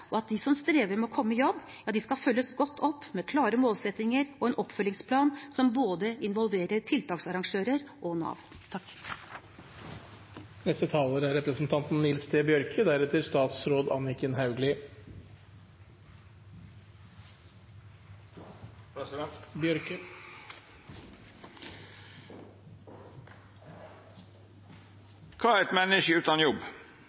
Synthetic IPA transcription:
ʔɔɑt̪̚d̪ɪsɔmst̪ɾeːʋəɾmɛɔkʰɔmːəəjɔbː | jɑːd̪ɪskɑfœlːəsɡɔt̪ʰːɔpːmekʰlɑːɾəmoːlsɛt̪nɪŋəɾɔeːnʔɔpːfœlːɪŋspʰlɑːnsɔmboːd̪əɪnʋɔlʋeːɾəɾʈʰɪlt̪ʰɑːksɑɾɑŋʂøːɾəɾʔɔnɑ̰ːʋ | t̪ʰɑkː | nɛst̪ət̪ʰɑːloːɾəæɾɛpɾəsnt̪ʰɑnt̪n̩nːɪlst̪eːbjœɾkʰəd̪æɾɛt̪əɾst̪ɑːt̪sɾoːd̪ɑ̰nɪkənhɑʉɡlɪ | bjœɾkə | kʰɑːɾɛt̪mɛnɪʃəʉːt̪ɑnjɔb

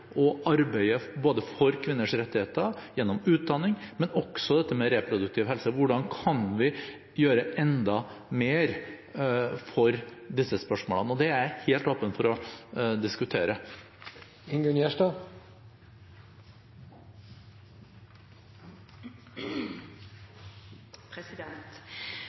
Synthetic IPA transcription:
ʔɔʔɑɾbæɪəboːd̪əfɔɾkʰʋɪnːəʂɾɛt̪ːɪheːt̪əjɛnːɔmʉːt̪̚d̪ɑnːɪŋmɛnɔɡ̥sɔd̪ɛt̪ːəmɛɾɛpʰɾʊd̪ʉk̚t̪ʰɪːʋhɛlsəʋʊɖɑnkʰɑnʋɪ | jøːɾəʔɛnd̪ɑmeːɾ | fɔɾd̪ɪsːəspœʂmoːlənəɔd̪ɛæɾheːlt̪oːpənfɔɾɔd̪ɪskʉt̪ʰeːɾə | ɪŋɡʉnjæːʂʈɑ | t̪

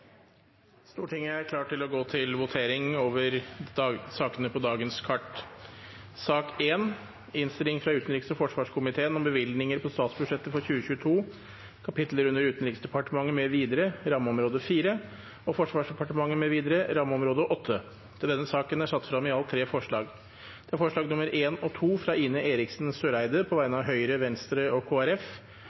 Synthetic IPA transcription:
st̪uːʈɪŋːəæɾkʰlɑːʈʈːɪlɔɡoːt̪ʰɪlʋʊt̪ʰeːɾɪŋoːʋəɾ | sɑːkənəpʰɔd̪ɑːɡənskʰɑʈ | sɑːkeːn | ɪnst̪ɪlɪŋfɾɑʉːt̪n̩ɾɪksɔfɔʂʋɑːʂkʰʊmɪt̪ʰeːənɔmbəʋɪld̪nɪŋəɾpʰɔst̪ɑːt̪sbʉʂɛt̪ːəfɔɾçʉːəçʉːət̪ʰuː | kʰɑpɪt̪ləɾʉnːəɾʉːt̪nɾɪksd̪ɛpɑʈəmɑŋːəmɛʋiːd̪əɾəɾɑməɔmɾoːd̪əfiːɾə | ɔfɔʂʋɑːʂɖ̪ɛpɑʈəmɑŋːəmɛʋiːd̪əɾəɾɑmːəɔmɾoːd̪əʔɔt̪ʰːə | t̪ʰɪld̪ɛnːəsɑːkənæʂɑt̪ːfɾɑmɪɑlt̪ʰɾeːfɔʂɭɑːɡ | d̪̥ɛæɾfɔʂɭɑːɡnʊməɾʔeːnɔt̪ʰuːfɾɑːiːnəʔeːɾɪksnsøːɾæɪd̪əpʰɔʋæɪnɑʋɦœʏɾəʋɛnst̪ɾəɔkʰoːæɾɛf

